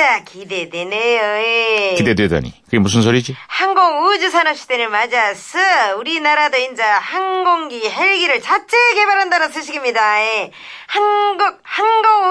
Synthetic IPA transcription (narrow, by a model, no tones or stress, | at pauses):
akide̞dwenejoekide̞deda̰ɲḭkɯɡemus̬ʰɯns̬ʰoɾid͡ʑihaŋɡoŋud͡ʑusʰanʌp̚ɕ͈ʰi̥denɯɭmad͡ʑasʰɯuɾinaɾadoind͡ʑahanɡoŋɡiɦeɭɡiɾɯɭt͡ɕat͡ɕʰeɡe̞baɾɦandanonsʰɯɕ̬ʰiɡimɲidae | hanɡuk̚hanɡoŋ